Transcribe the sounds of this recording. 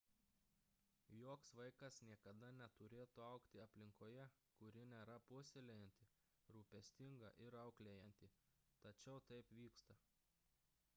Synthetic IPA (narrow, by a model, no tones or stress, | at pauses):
joːksʋɐɪkɐsnʲiɛkɐd̪ɐnʲɛt̪ʊɾʲeːt̪uːɐʊkt̪ʲɪɐpʲlʲɪŋkoːjɛ | kʊɾʲɪnʲɛːɾɐpʊsʲɪlʲɛjɛnʲt̪ʲɪ | ɾuːpʲɛsʲt̪ʲɪŋɡɐ̰ʔɪɾɐʊklʲejɛnʲt̪ʲɪ | t̪ɐt͡ʃʲɛʊt̪ɐɪpʋʲiːkst̪ɐ